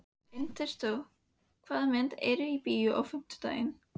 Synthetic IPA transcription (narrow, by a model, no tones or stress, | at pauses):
ɪnt̪ɛst̪œw | kʰvaːðamɛnt̪ɛ̰ɾʏipijʏʔa̰wfʏm̥t̪ʏ̥t̪a̰ːjɪn